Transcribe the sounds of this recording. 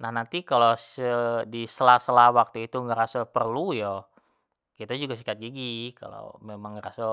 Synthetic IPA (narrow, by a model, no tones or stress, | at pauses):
nahnant̪ikalosədisəlahsəlahwak̚t̪uit̪uŋaɾasapərlujɔ | kit̪ad͡ʒuɡasikat̪̚ɡiɡika̰lo̰memaŋːɾasa